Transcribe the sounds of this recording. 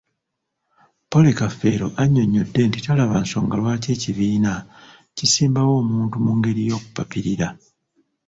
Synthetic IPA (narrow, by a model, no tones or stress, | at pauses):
po̞lekafe̞ɾo̞ʔaɲːo̞ɲːo̞dːe̞ntitalaβanso̞ːŋɡalwaːce̞ːciβiːna | cisiːmbawo̞ːmuːntumuŋɡe̞ɾijo̞ːku̥papiɾiɾa